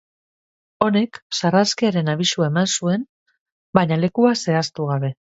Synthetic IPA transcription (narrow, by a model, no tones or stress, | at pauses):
o̞ne̞ksaraskiaɾe̞naβ̞isuae̞mansue̞n | baɲale̞kuase̞ast̪uɣ̞aβe̞